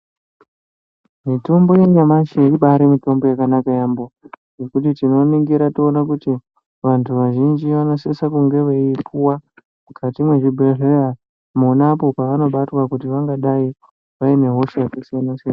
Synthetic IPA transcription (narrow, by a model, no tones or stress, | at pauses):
mito̞mbo̞je̞ɲamaʃeiɓaɾemito̞mbo̞jakanakajaːmbo | jokutitino̞neŋɡeɾatoːnakuti | ʋantʰuʋaʒind͡ʒiʋano̞sesakuŋɡe̞ʋeikuwa | mukʰatimweʐibʱerea | monapo̞paʋano̞ɓatwakutiʋaŋɡaɗai | ʋaine̞ɦo̞ʃejakasianosea